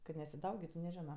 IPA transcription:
kɐt nʲɛsʲɪˈdɐʊɡʲɪtʊ nʲɛˈʒʲɪnoː

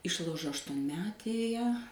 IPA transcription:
ˈɪʃlˠɐʊʒoː ɐʃtuɔnʲˈmʲæːtʲeːjɛ

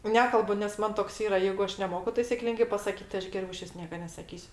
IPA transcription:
ˈnʲæːkɐlˠbʊ nʲɛs ˈmɐn toːks ˈiːrɐ ˈjɛɪɡʊ ˈɐʃ nʲɛˈmoːkʊ tɐɪsʲɪ ˈklʲɪŋɡɐɪ pɐsɐˈkʲiːt tɐɪ ˈɐʃ ɡʲɛˈrʲɛʊ ɪˈʃʲʋʲɪs ˈnʲiɛkɐ nʲɛsɐˈkʲiːsʲʊ

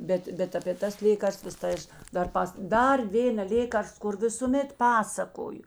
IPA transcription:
ˈbʲɛt ˈbʲɛt ɐpʲeː ˈtɐs ˈlʲeːkɐrstʋɐs tɐɪ ˈɐʃ dɐr ˈpɐs ˈdɐr ˈʋʲeːnɐ ˈlʲeːkɐrst kʊr ʋʲɪsʊˈmʲɛt ˈpɑːsɐkoːjʊ

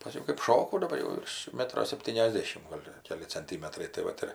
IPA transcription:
pɐˈsʲkʲɛʊ kɜp ˈʃoːkɐʊ dɐˈbɐr jɛʊ ˈʋʲɪrʃ ˈmʲæːtroː sʲɛpʲˌtʲiːnʲɛzʲˈdʲeːʃʲɪm ˈɡoːlʲ ˈkʲæːlʲɪ t͡sʲɛnʲˈtʲiːmʲɛtrɐɪ tɐɪ ˈʋɐt ɪr

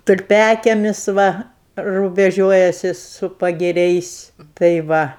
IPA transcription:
tʊlʲˈpʲæːkʲiɛmʲɪs ˈʋɐ rʊbʲɛˈʒʲuɔjɛsʲɪ sʊ pɐɡʲɪˈrʲɛɪs tɐɪ ˈʋɐ

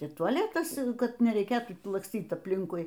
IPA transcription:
iː tʊɐˈlʲæːtɐs ˈkɐt nʲɛrʲɛɪˈkʲeːtuː lˠɐksʲˈtʲiːt ɐpʲˈlʲɪŋkʊɪ

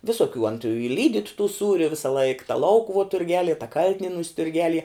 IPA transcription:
ʋʲɪsoːˈkʲuː ɐn tʊ ɪ ˈlʲiːdʲiːt tuː ˈsuːrʲʊ ʋʲɪsɐˈlˠɐɪk tɐ ˈlˠɐʊkʊʋuɔ tʊrʲˈɡʲæːlʲiɛ tɐ ˈkɐlʲtʲɪnʲiɛnuːs tʊrʲˈɡʲæːlʲiɛ

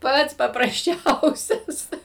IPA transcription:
ˈpɐts pɐprɐsʲˈt͡ʃʲɛʊsʲɛs

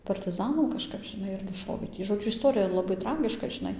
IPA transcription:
pɐrʲtʲɪˈzɑːnɐm kɐʃˈkɐp ʒʲɪˈnɐɪ ɪr nʊˈʃoːʋʲeː tʲiː ʒoːˈd͡ʒʲʊ ɪs toːrʲɪjɛ lˠɐˈbɐɪ ˈtrɑːɡʲɪʃkɐ ʒʲɪˈnɐɪ

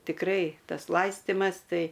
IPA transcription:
tʲɪkˈrɐɪ ˈtɐs ˈlˠɐɪsʲtʲɪmɐs ˈtɐɪ

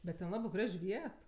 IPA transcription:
bʲɛt tʲɛn ˈlˠɑːbɜ ˈɡrɐʃʲ ˈʋʲiɛt

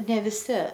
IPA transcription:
nʲɛ ʋʲɪˈsʲɪ

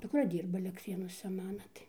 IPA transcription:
dʊkˈrɐ ˈdʲiːrbɐ ɐlʲɛktʲˈrʲeːnuɔsʲɛ ˈmɑːnɐ tɐɪ

